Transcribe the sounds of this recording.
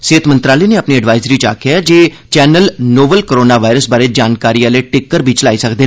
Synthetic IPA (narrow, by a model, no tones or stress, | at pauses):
seːt̪mənt̪ɾaːləiːneəpniəɖʋaːɪzɾiːt͡ʃa̰ːkɪad͡ʒeː | t͡ʃɛːnəlnoːbəlkəɾoːnaːʋaːɪɾəsbaːɾed͡ʒaːnkaːɾiːaːleːʈɪkːəɾbʱiːt͡ʃəlaːisəkd̪eːnː